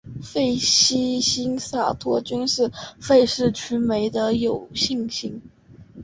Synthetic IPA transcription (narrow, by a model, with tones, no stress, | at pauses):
fe˥˩ɪɕi˥ɕi˥ŋsa˨˩t̪ʰwɔ˥t͡ɕy˥nʂɻ̩˥˧fe˥˧ɪʂɻ̩˥˩t͡ɕʰy˧˥me˧˥ɪd̪ə˧jo˨˩ʊɕi˥˩ŋɕi˥ŋ